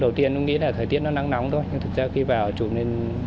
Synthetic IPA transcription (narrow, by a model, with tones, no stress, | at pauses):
ɗə˨˩wt̪i˧ənkʊ̰˧˥ŋḭ˧˥laː˨˩t̪ʰəː˨˩jt̪i˦˥ət̚nɔ˨˦na˨˧˦ŋna˨˦wŋ͡mt̪ʰo˧jɲɨ˧ŋt̪ʰɨ˨˩k̚zaː˧xi˧vaː˨˩wt͡ɕu˧˩ne˧n